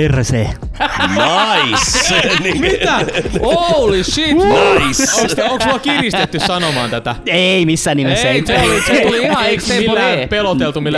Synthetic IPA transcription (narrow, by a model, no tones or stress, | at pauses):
erseː | nɑismit̪æolissiːisokst̪oŋksʋɑkirist̪et̪ːyssɑnomɑ̰ːnt̪æt̪æeeimisːæːnːimesːæeeulieiksemiːpelot̪elt̪umilːæ